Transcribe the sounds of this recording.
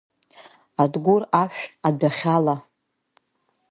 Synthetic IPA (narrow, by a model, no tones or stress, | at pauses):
adɡʷuraʃᶣadaχʲala